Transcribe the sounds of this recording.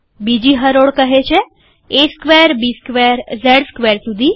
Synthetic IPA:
bid͡ʒiɦəɾoɽkəɦet͡ʃʰe | eskʋeəɾbiskʋeɾzəɽskʋeɾsud̪ʱi

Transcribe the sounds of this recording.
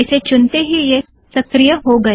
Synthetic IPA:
ɪset͡ʃʊnt̪eɦije | sɐkɾijəɦoɡɐ

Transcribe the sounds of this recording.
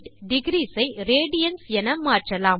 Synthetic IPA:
ʈɖɪɡɾiːsɐɪɾeːɽɪjɐnsɛnɐmaːʈrɐlaː

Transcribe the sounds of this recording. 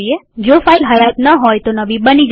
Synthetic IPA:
ied͡ʒofailɦəjat̪nəɦojt̪onəbibənid͡ʒ

